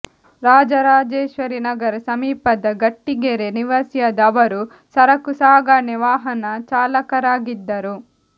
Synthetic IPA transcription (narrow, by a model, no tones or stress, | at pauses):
ɾaːd͡ʒɐɾaːd͡ʒeːʃʋɐɾinɐɡɐɾɐsɐmiːpɐd̪ɐɡɐʈːiɡeɾeniʋɐsjɐd̪ɐʋɐɾu | sɐɾɐkusaːɡaniʋaːɦɐnɐt͡ʃaːlɐkɐɾaːɡid̪ːɐɾu